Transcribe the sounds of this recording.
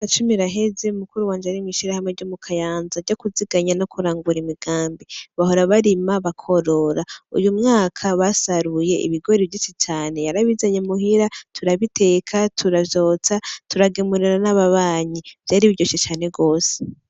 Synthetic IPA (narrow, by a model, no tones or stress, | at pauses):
at͡ʃumiɾaɦe̞ze̞umukuɾuwaːnd͡ʒaaɾimiʃiɾahamŋeɾɟomukʰajaːnzaɾɟo̞kuziɡ̥aɲanokʰuɾaːŋɡuɾimiɡ̥aːmbiβaho̞ɾaβaɾimaβakʰo̞ɾo̞ɾaṵjumŋaːkʰaβasaɾuje̞ʔḭβiɡo̞ɾiβvɟit͡ʃit͡ʃaːne̞jaɾaβizaɲemuɦiɾatʰuɾaβitʰeːkʰatʰuɾavjo̞ːt͡satuɾaɡemuɾiɾanaβaβaːɲiv̥jaɾiβiɟoʃet͡ʃaːne̞ɡo̞ːse̥